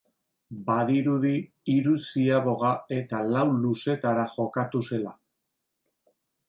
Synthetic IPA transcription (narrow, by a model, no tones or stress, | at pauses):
baðiɾuði | iɾusiaβo̞ɣae̞t̪alawluse̞t̪aɾaʝo̞kat̪use̞la